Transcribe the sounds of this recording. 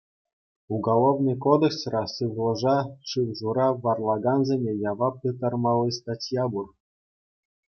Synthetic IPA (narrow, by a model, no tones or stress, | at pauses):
uɡolˠovnɨjkod̪eksrɑsɯʋlˠɤ̆ʐɑʂɯwʐuɾɑʋɑrlˠɑɡɑnzʲemʲejɑʋɑpɯt̪ɑrmɑlʲˠːɤst̪ɑtʲjɑbur